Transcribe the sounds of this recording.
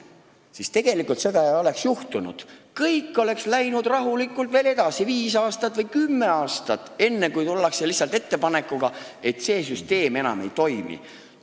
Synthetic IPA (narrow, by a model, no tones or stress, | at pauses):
sist̪e̞ɡ̥e̞likːˑult̪se̞d̪ɑjɑo̞le̞ksjuht̪unṵd̪̥kɤjkˑːo̞le̞kslæjnud̪rɑɦulikːˑult̪ve̞ːle̞d̪ɑsiviːsɑːst̪ɑt̪ːˑvɤjkymːe̞ɑːst̪ɑt̪ːˑe̞nːe̞kujt̪ulːɑkselihsːˑɑlt̪e̞t̪ːe̞pɑne̞kˑːuɡ̥ɑe̞t̪ˑse̞ːs̬yst̪e̞ːme̞nɑ̰me̞̰jt̪o̞jmḭ